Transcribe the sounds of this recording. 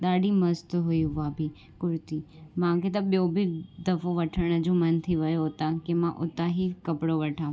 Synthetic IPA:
d̪aɽiməst̪ɦoiɦuʋabʱi | kʊɾt̪imãket̪ãɓjobʱid̪əfoʋəʈʰənəd͡ʒõmənt̪ʰiʋəjoɦət̪akemãʔot̪aɦikəpɽoʋəʈʰã

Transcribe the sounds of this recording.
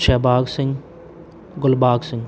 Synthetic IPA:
ʃɛːbaːɡsɪ̃ŋɡ | ɡʊlbaːɡsɪ̃ŋɡ

